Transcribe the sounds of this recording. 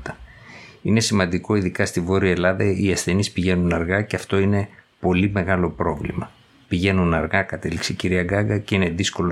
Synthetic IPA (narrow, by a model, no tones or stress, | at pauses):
t̪ɐ̥ | ine̞simɐnd̪iko̞iðikɐst̪ivo̞ɾiɐelɐðɐiɐsθe̞nispiʝe̞nunɐɾɣɐceɐft̪o̞ine̞ | po̞lime̞ɣɐlo̞pɾo̞vlḭmɐ | piʝe̞nunɐɾɣɐkɐt̪e̞likseciɾiɐɡɐɡɐce̞ine̞ðiskolo